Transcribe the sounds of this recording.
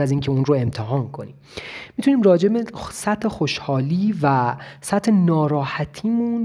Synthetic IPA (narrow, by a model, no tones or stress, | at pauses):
æziːncʰeunɾoe̞mt̪ʰeɦɒːnkʰo̞nḭːmmit̪ʰuniːmrɒːd͡ʒe̞besæt̪ʰhexoʃhɒːliːvæsæt̪ʰhenɒːɾɒːhæt̪ʰiːmun